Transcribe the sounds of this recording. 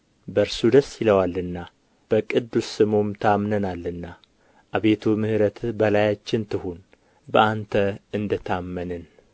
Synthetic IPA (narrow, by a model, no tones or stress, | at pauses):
bəɾsud̪əsjɪləwalːɨnːa | b̥əkʼɨd̪ːusːɨmomt̪ʰamnənalːɨnːa | ʔaβe̞t̪ʰumɨhɨɾət̪ʰbəlajat͡ʃːɪnt̪ʰɨhun | bəʔant̪ʰəɨnd̪ət̪ʰamːənɨn